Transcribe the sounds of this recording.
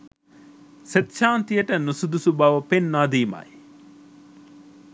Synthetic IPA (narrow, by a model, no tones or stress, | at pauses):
set̪ʃaːnt̪ijɐʈənusud̪usubaːʋɐpenːaːd̪iːma̰ːj